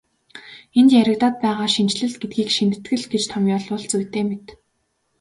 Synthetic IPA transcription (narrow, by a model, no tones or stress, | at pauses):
ent̪jæɾə̆kt̪aːt̪̚pæːʁaːʃint͡ɕɮɘ̆ɮɡet̪̚ɡiːkʃint̪̆ʰt̪ɡɘ̆ɮɡet͡ɕt̪ʰɔmjɔɮʊɮt͡sujt̪eːmet̪